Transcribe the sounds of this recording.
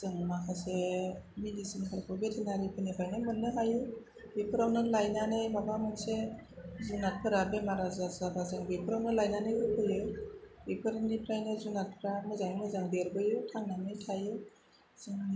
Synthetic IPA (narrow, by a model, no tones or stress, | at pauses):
z̥ɯŋmakʰasemidisinkʰaɾpʰɔbetʰinaɾipʰɯnipʰajnɯmɯnːɯɦajɯ | bipʰɯɾawnɯlajnanɯjbabamɯnsezunat̚pʰɯɾabemaɾazazabazɯŋbipʰɯɾawnɯlajnanɯjbɯpʰɯjɯbipʰɯɾanipʰɾajnɯzunat̚pʰɯɾamɯzaŋmɯzaŋdeɾbɯjutʰaŋnanɯjtʰajɯ | z̥ɯŋ